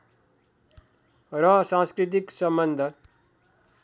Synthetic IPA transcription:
ɾʌsãnskɾit̪̬iksʌmbʌnd̪ʱə

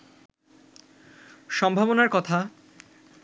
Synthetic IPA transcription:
ʃɔmbʱabonaɾkɔt̪ʰa

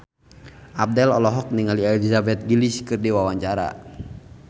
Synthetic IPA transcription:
ʔab̚dɛlɔlɔɦɔk̚niŋaliɛlizabɛt̪̚ɡiliskɨrdiwawaɲt͡ʃaɾa̰

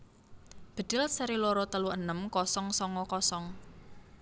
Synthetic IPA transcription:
b̥ə̤d̪̥ɪ̤lsəɾilɔɾɔt̪əluʔənəmkɔsɔŋsɔŋɔkɔsɔŋ

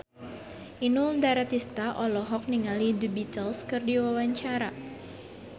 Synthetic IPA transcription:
ʔinʊldaɾat̪ist̪aʔɔlɔɦɔk̚niŋalidibit̪əlskɨrdiwawaɲt͡ʃaɾa

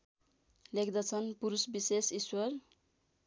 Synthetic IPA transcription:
lekʰd̪ʌt͡sʰʌnpuɾusbisesiswʌɾ

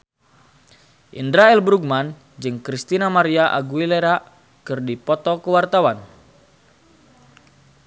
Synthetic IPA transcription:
ʔindɾaɛlbɾuɡ̚man | d͡ʒɨŋkɾist̪inamaɾiaʔa̰ɡuileɾa | kɨrdipɔt̪ɔkəwart̪awan

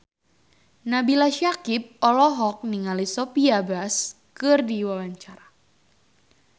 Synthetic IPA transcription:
nabilaʃakip̚ɔlɔɦɔk̚niŋalisɔpiabas | kɨrdiwawaɲt͡ʃaɾa

